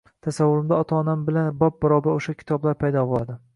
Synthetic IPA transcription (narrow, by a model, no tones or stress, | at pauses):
t̪ʰasavːʊɾɪmd̪aɒt̪ʰaːnambɪlanbɒp̚baɾɒbaɾoʃakʲʰɪ̥t̪ʰɒblaɾpʰajd̪ɒbʊlˠad̪ɪ